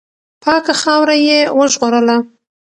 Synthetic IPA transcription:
pʰɑkaxɑwɾajewəʒɣoɾəla

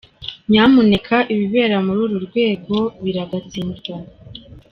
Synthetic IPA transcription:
ɲaːmune̞kʰaʔiβiβe̞ːɾamuɾuːɾuɾɡwe̞ːɡo̞βiɾaɡat͡siːnzɡa

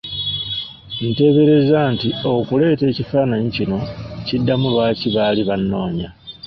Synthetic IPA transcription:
nite̞ːβe̞ɾe̞zantio̞kule̞ːte̞ːcifaːnaɲicino̞cidːamulwaːciβaːliβanːo̞ːɲa

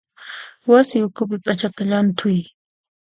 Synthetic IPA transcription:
wasɪʊkʊpɪpʼat͡ʃat̪aʎant̪ʰʊj

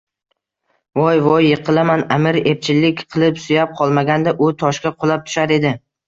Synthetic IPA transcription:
vɒjvɒjːɨqʰɨlˠamanamɪɾe̞p̚t͡ʃʰɪlːɪkʲqʰɨlˠɪpsʊjap̚qʰɒlˠmaɡʲand̪aʔʊt̪ʰɒʃkʲaqʰʊlˠap̚t̪ʰʊ̥ʃaɾe̞d̪ɪ

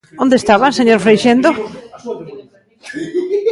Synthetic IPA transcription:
õnd̪est̪aβanseɲoɾfɾejʃend̪o

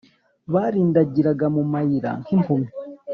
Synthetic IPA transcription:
βaɾiːndaɟiɾaɡamumajiɾa̰ŋkimpʰumi

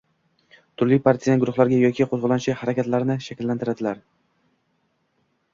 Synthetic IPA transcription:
t̪ʰʊɾlɪjpʰaɾt̪ʰijanɡʊɾʊχlˠaɾɡʲajɒkʲʰɪqʰozʁɨlanɪʃɪhaɾakʲʰat̪laɾnɪʃakʲɪlːant̪ɪɾad̪ɪlaɾ

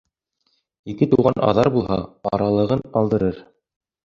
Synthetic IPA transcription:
ikɘt̪uʁɑnʔɑ̰ðɑɾbulˠhɑ̰ɑ̰ɾɑlˠɤ̆ʁɤnqɑlˠd̪ɤ̆ɾɤɾ

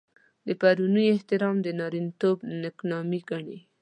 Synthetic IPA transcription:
d̪əpaɾunəjɪht̪ɪɾɑmd̪ənɑɾint̪obnɪknɑmiɡaɳe

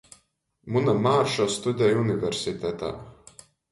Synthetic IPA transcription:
munamaːɾʃɔst̪ud̪ʲɛjunivɛɾsʲit̪ɛt̪a̰ː

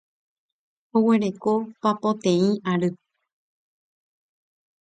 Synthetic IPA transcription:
owe̞ɾe̞ko̞papõt̪ẽĩʔaɾɨ

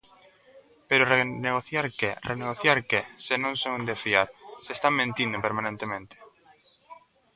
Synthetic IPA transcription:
peɾʊreneɣoθjaɾkerʔeneɣoθjaɾkesenõŋsõŋnd̪efiaɾsest̪aŋmẽnt̪ĩnd̪opeɾmãnẽnt̪emẽnt̪e̥

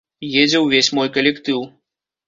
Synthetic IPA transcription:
jed͡zʲɛwvʲesʲmɔjkɐlʲɛkt̪ɨw

